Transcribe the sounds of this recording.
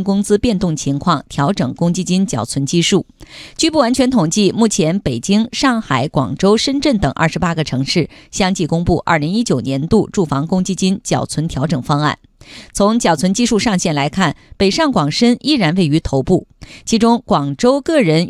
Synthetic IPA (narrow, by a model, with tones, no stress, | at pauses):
nkʊ˥ŋt͡sɹ̩˥pjɛ˥˧nt̪ʊ˥˩ŋt͡ɕʰi˧˥ŋkʰwɑ˥˩ŋt̪ʰjɑ˧˥ʊʈ͡ʂɤ˨˩ŋkʊ˥ŋt͡ɕi˥t͡ɕi˥nt͡ɕjɑ̰˨˩ʊt͡sʰwə˧˥nt͡ɕi˥ʂu˥˩t͡ɕy˥˧pu˥˩wa˧˥nt͡ɕʰɥɛ˧˥nt̪ʰʊ˨˩ŋt͡ɕi˥˧mu˥˩t͡ɕʰjɛ˧˥npe˨˩ɪt͡ɕi˥ŋʂɑ˥˩ŋxa˨˩ɪkwɑ̰˨˩ŋʈ͡ʂo˥ʊʂə˥nʈ͡ʂə˥˩nt̪ɤ˨˩ŋʔɐ̰˥˩ʂɻ̩˧˥pa˥ɡə˨ʈ͡ʂʰɤ˧˥ŋʂɻ̩˥˩ɕjɑ˥ŋt͡ɕi˥˩kʊ˥ŋpu˥˧ʔɐ̰˞˥˩li˧˥ŋi˥t͡ɕjo˨˩ʊnjɛ˧˥nt̪u˥˧ʈ͡ʂu˥˩fɑ˧˥ŋkʊ˥ŋt͡ɕi˥˩t͡ɕi˥nt͡ɕjɑ˨˩ʊt͡sʰwə˧˥nt̪ʰjɑ˧˥ʊʈ͡ʂɤ˨˩ŋfɑ˥ŋa̰˥˩n | t͡sʰʊ˧˥ŋt͡ɕjɑ˨˩t͡sʰwə˧˥nt͡ɕi˥˧ʂu˥˧ʂɑ˥˧ŋɕjɛ˥˩nla˧˥ɪkʰa˥˩npe˨˩ɪʂɑ˥˩ŋkwɑ˨˩ŋʂə˥ni˥˩ɻa˧˥nwe˥˩ɪy˧˥t̪ʰo˧˥ʊpu˥˩t͡ɕʰi˧˥ʈ͡ʂʊ˥ŋkwɑ˨˩ŋʈ͡ʂo˥ʊkɤ˥˩ɻə˧˥n